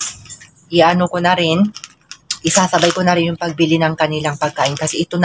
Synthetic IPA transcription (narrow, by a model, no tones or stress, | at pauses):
ʔɪʔanokonɐɾɪn | ʔɪsaːsɐbajkonɐɾɪnjʊŋpɐɡ̚bɪlɪnɐŋkɐnɪlaŋpɐɡ̚kaːʔɪnkɐsɛʔɪt̪on